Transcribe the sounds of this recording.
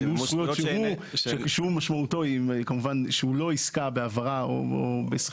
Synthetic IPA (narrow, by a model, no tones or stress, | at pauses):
juχujott͡ʃʃeuʃekʃhumaʃmauto̞imkamuvanʃehulo̞iskabeavaʁao̰o̰bes